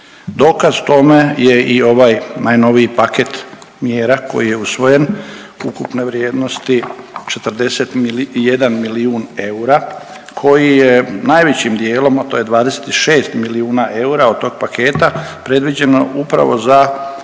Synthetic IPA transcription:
d̪o̞ːkazt̪o̞me̞je̞io̞ʋaːjnajno̞ʋiipaket̪mjeːɾako̞̰jije̞usʋo̞je̞nukupne̞ʋɾjeːd̪no̞st̪it͡ʃe̞t̪r̩d̪e̞set̪je̞d̪anmiliuːne̞uɾa | kʰo̞jijenajʋet͡ɕimd̪je̞ːlo̞mat̪o̞ːje̞d̪ʋaːd̪ese̥t̪iʃe̞ːst̪miliuːnaʔe̞uɾaod̪̚t̪o̞ɡ̚pakʰe̞ːt̪apɾe̞d̪ʋid͡ʑe̞no̰upɾa̰ʋo̞̰za

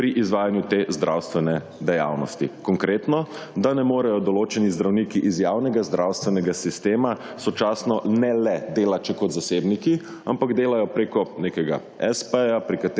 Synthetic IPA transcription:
pɾiʔizʋaːjanjut̪ezd̪ɾʔawst̪ʋɛnɛ | d̪ɛja̰wnɔ̰st̪ikɔŋkɾet̪nɔ | d̪anɛmoːɾɛjɔd̪ɔloːt͡ʃɛnizd̪ɾawnikiʔizjawnɛɡazd̪ɾʔawst̪ʋɛnɛɡasist̪eːma | sɔt͡ʃaːsnɔnɛlɛd̪eːlat͡ʃɛkɔt̪zaseːbniki | a̰mpaɡd̪eːlajɔpɾekɔneːkɛɡa̰ | ɛspəjapɾikat̪

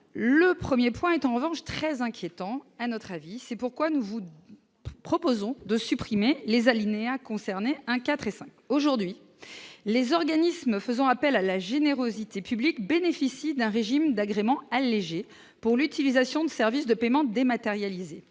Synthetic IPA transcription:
ləpχəmjepwɛ̃ɛt̪ɑ̃ʁəvɑ̃ʃt̪χɛzɛ̃kʲjet̪ɑ̃anɔt̪χavisɛpuʁkwanuvu | pχɔpozɔ̃d̪əsypχimelezalineakɔ̃sɛʁneɛ̃kat̪χesɛ̃koʒuʁd̪ɥi | lezɔʁɡanisməfəzɑ̃apɛlalaʒeneʁozit̪epyblikbenefisid̪ɛ̃ʁeʒimd̪aɡʁemɑ̃alːeʒe | puʁlyt̪ilizasjɔ̃d̪əsɛʁvisd̪əpemɑ̃d̪emat̪eʁjalize

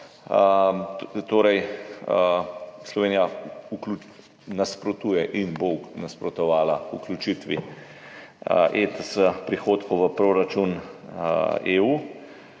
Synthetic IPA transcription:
ə | t̪oːɾɛj | slɔʋeːnijauklu | naspɾɔt̪uːjɛʔinbonaspɾɔt̪ɔʋaːlaṵklut͡ʃit̪ʋḭ | ʔet̪əsəpɾixoːt̪koʋəpɾoːɾat͡ʃun | euː

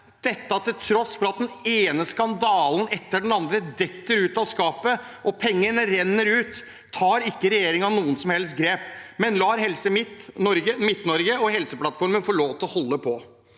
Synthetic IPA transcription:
d̪̥ɛt̪ːɑt̪ʰɪlt̪ʰɾɔsfɔɾɑt̪̚d̪ɛneːnəskɑnd̪ɑːlnɛt̪ːəɖɛnɑnd̪ɾəd̪ɛt̪ːəɾʉːt̪ɑʋskɑːpəʔɔpʰɛŋːənəɾɛnːəɾʉːt̪ʰː | ɑːɾɪkːəɾɛjeːɾɪŋɑʋnuːənsɔmhɛlst̪̚ɡɾeːpmɛnlɑːɾɦɛlsəmɪt̪ɔɾɡəmɪt̪nɔɾɡəɔɦɛlsəplɑt̪fɔɾmənfɔɭoːʋt̪ʰɔhɔlːəpʰɔ

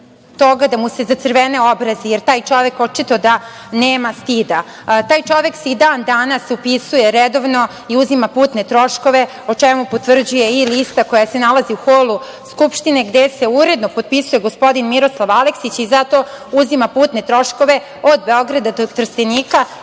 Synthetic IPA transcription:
t̪o̞ɡad̪amuse̞zat̪sr̩ʋene̞obɾazejeɾt̪aːjt͡ʃo̞ʋe̞kot͡ʃit̪od̪a | neːmast̪id̪a | t̪aːjt͡ʃo̞ʋe̞ksid̪aːnd̪anasupisujeɾed̪o̞ʋno̞ | iuzimapuːt̪net̪ɾo̞ʃko̞ʋe̞ | ot͡ʂemupot̪ʋr̩d͡ʑuje̞ilist̪ako̞jase̞nalaziuxolˠu | skupʃt̪ine̞ɡd̪ese̞uɾed̪nopod̪̚pisuje̞ɡospo̞d̪inmiɾo̞slˠaʋaleksit͡ɕizat̪o̞ | uzimapuːt̪ne̞t̪ɾo̞ʃko̞ʋe̞ | od̪be̞o̞ɡɾad̪ad̪ot̪r̩st̪enika

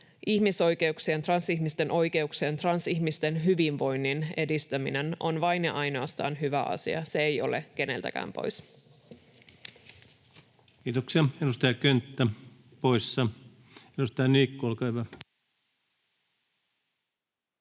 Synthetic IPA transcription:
ʔiçmiso̞jk̟e̞uksient̪rɑnsiçmist̪e̞nʔo̞jk̟e̞uksient̪rɑnsiçmist̪e̞nɦyʋinʋo̞jnːine̞dist̪æmḭne̞no̞̰nʋɑjnḛʔɑjno̞ɑst̪ɑ̰ːnɦyʋæ̰ʔɑ̰sḭɑ̰se̞ejolḛk̟e̞ne̞lt̪æ̰kæ̰ːmpo̰js | kiːt̪oksiɑedust̪ɑjɑkønt̪ːæ | poisːɑ | edust̪ɑjɑniːkːuolkɑhyʋæ

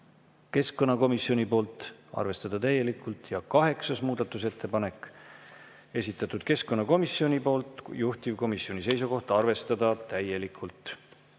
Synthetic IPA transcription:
ke̞sko̞nːɑko̞misio̞nʲipo̞ːlt̪ˑɑ̰rve̞st̪ɑd̪̥ɑt̪æjːe̞likːˑult̪jɑkɑɦe̞ksɑsmuːd̪̥ɑt̪ːˑuse̞t̪ʰːe̞pɑne̞k | e̞sʲit̪ːˑɑt̪ːˑud̪̥ke̞skːo̞nːɑko̞misːio̞nʲipo̞ːlt̪ˑjuht̪ivko̞misio̞nʲise̞jsuko̞ht̪ɑɑrve̞st̪ɑd̪ɑt̪æje̞likʰːˑult̪ˑ

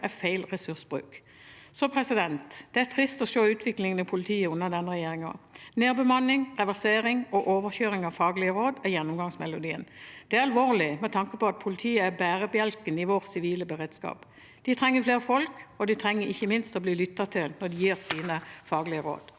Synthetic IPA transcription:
æfæɪlʁɛsʉʁsbʁʉ̰ːk | sɔpʰɾɛsɪd̪ɛnt̪d̪̥ɛæt̪ʰɾɪst̪ɔʃoːʉːt̪ʰʋɪklɪŋənəpʰʊlɪt̪ʰiːəʉnːɑd̪ɛnːəʁɛjeːɾɪŋɑ̰neːbəmɑnːɪŋʁɛʋæseːɾɪŋɔʔoːʋəçøːɾɪŋɑʋfɑːɡlɪəʁoːd̪æjɛnːʊmɡɑŋsmɛlʊd̪iːə̰nd̪̥ɛæʁɑlʋoːʁlɪmɛt̪ʰɑŋkəpɔɑt̪̚pʰʊlɪt̪ʰiːəæbæːʁəbjɛlkənɪʋoːʁsɪʋiːləbəʁeːd̪skɑ̰ːp | d̪̥ɪt̪ʰʁɛŋːəfleːʁəfɔlkɔd̪ɪt̪ʰʁɛŋːəɾɪçːəmɪnst̪ɔbliːlʏt̪ːɑt̪ʰɪlnɔd̪ɪjiːʁsiːnəfɑːɡlɪəɾo̰ːd̪̥

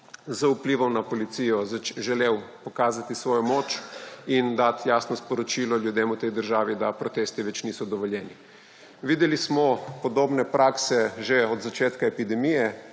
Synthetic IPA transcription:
zəupliːʋɔwnapɔlit̪sijɔzʒɛlewpɔkaːzat̪isʋɔːjɔmoːt͡ʃind̪at̪jaːsnɔspɔɾɔt͡ʃiːlɔljud̪eːmut̪ɛjd̪əɾʒaːʋid̪apɾɔt̪eːst̪iʋɛt͡ʃniːsɔd̪ɔʋɔljɛːni | ʋiːd̪ɛlismɔpɔd̪oːbnɛpɾʔaːksɛʒeɔd̪zat͡ʃeːt̪kaɛpid̪ɛmijɛ

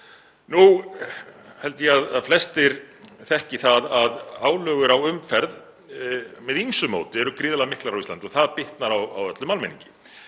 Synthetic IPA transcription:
nu | hɛlt̪ɪjɛaðaðflɛst̪ɪɾθɛhcɪθaðaðaːwlœːɣʏɾawʏmfɛɾð | mɛðinsʏmo̰ːwt̪ɪɛɾʏkɾɪːðalaðmɪhklaɾawist̪ant̪ɔθaðpɪht̪naɾawa̰wœt̪lʏmalmɛnḭɲcɪ̥

